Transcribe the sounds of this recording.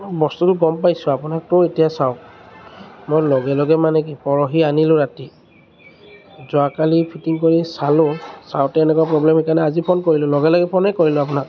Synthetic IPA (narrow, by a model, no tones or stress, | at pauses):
bɔstutʊɡɔmpajsʊapʊnak̚tʊetijasaʊ | mojlɔɡɛlɔɡɛmanɛk̬ipɔɹɔɦianilʊ̃ɹati | zʊakalipʰitiŋkoɹisalʊ̃sa̰wtɛɛnɛkwapɹɔblɛmhikanɛazipʰonkoɹilʊlɔɡɛlɔɡɛpʰɔnɛkoɹilʊ̃apʊnak̚